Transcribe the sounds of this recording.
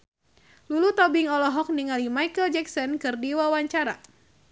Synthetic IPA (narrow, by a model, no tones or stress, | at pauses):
lulut̪ɔbiŋɔlɔɦɔk̚niŋalimajkəld͡ʒɛksɔnkɨrdiwawaɲt͡ʃaɾa̰